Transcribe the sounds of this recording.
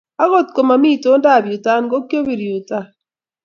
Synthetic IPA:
a˦ɣo˦˨tko˨ma˨mi˦˨to˨˦nda˦˨bju˨ta˦nɡo˦kjo˦bi˨ɾju˨ta˦˨

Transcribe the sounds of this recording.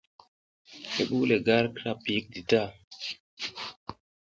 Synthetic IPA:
hḛ˨ɓu˦le˨ɡa˦ɾkɾa˦˨pi˨˦k̚di˨ta˦˨

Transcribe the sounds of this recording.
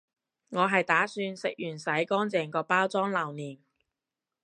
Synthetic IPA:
ŋɔː˨˧ɦɐ˨jt̪aː˨˥syː˧nsɪ˨k̚jyː˨˩nsɐ˨˥jkɔː˥ŋt͡sɛː˨˩ŋkɔː˧paː˥wt͡sɔː˥ŋlɐ˨˩wniː˨˩n

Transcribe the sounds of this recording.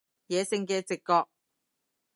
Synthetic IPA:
jɛː˨sɪ˧ŋkɛː˧t͡sɪ˨kːɔː˧k̚

